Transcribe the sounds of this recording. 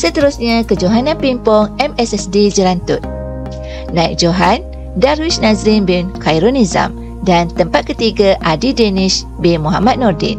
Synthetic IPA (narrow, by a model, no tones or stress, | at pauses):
sət̪əɾusɲakəd͡ʒoɦanãnpimpɔŋɛmɛsɛsdid͡ʒəɾant̪ʊt̪̚ | nãik̚d͡ʒoɦan | daɾwisnazɾinbinkaiɾoniza̰m | dant̪əmpat̪̚kət̪iɡaʔadideniʃ | bimuɦa̰mat̪̚nɔrdɛ̰n